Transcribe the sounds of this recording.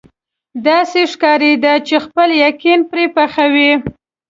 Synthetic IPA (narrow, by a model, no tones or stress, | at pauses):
d̪ɑseʂkɑɾed̪at͡ʃexpəljakinpɾepaxawi